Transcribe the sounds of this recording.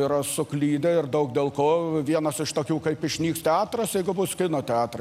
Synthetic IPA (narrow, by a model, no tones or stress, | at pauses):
iːɾɐsʊklʲiːd̪ʲɛɪrd̪ɐʊk̚d̪ʲeːlˠkoːʋʲiɛnɐsɪʃt̪oːkʲuːkɐɪpɪʃʲnʲiːkst̪ʲɛɑːt̪ɾɐsjɛɪɡʊbʊskʲɪnoːt̪ʲɛɑːt̪ɾɐ